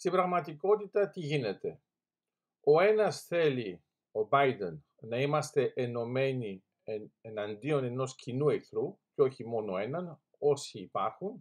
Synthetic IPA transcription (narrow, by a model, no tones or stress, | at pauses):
st̪ibɾɐɣmɐt̪iko̞t̪it̪ɐt̪iʝine̞t̪e̞ | o̞e̞nɐsθe̞li | o̞bɐjd̪enː | ɐimɐst̪e̞ʔeno̞me̞ni | eenɐnd̪io̞ne̞no̞scinueθɾuceo̞çimo̞no̞e̞nɐn | o̞siːpɐɾxun